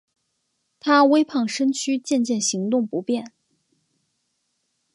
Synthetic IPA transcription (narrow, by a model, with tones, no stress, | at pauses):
t̪ʰa˥we˥ɪpʰɑ˥˩ŋʂə˥nt͡ɕʰy˥t͡ɕjɛ˥˧nt͡ɕjɛ˥˩nɕi˧˥ŋt̪ʊ˥˩ŋpu˧˥pjɛ˥˩n